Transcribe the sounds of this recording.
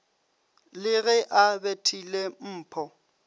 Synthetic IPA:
lɪɣɛʔabetʰilem̩ːpʰɔ

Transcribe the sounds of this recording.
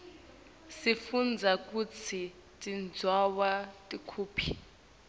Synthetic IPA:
sifund͡zʱakʼut͡sʰi | tʼind͡zʱwawatʼikʰuːpʰi

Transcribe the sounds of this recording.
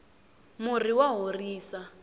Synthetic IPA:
mʊriwaɦoriːsa

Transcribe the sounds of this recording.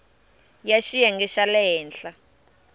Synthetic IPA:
jaʃijaŋɡɛʃalɛɦɛːnɬa

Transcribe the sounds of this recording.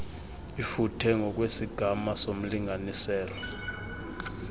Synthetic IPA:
ifutʰɛŋɡʱɔk̬ʼwesiɡ̥ʱamasom̩liŋɡʱanisɛːlɔ

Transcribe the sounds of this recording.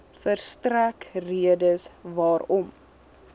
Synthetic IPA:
fərstrækriədəsvɑːɾɔm

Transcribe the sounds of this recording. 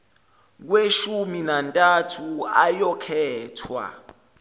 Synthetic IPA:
k̬weʃuminantʼatʰuajɔkʰɛːtʰwa̰

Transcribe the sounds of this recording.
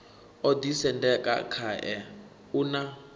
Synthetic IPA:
ɔdisɛndɛkʼa̰kʰaʔɛ | una

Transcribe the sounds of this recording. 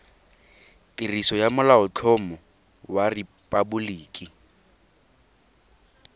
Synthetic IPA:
tʼirisɔjamʊlaʊt͡ɬʰɔmʊ | waripʼabʊliːkʼi

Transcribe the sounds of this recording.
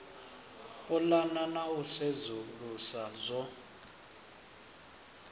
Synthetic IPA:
pʼɔlananausezulusazɔ

